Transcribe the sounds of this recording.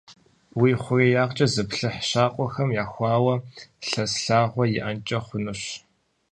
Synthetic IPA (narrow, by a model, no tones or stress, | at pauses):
wiːχʷʊreːjaːʁt͡ʃʼɐzɨpɬɨħʃaːqʷʼɔxɐmjaːxʷɑːwɐɬɐsɬaːʁʷɔjɪʔɐnt͡ʃʼɐχʷʊnɨɕ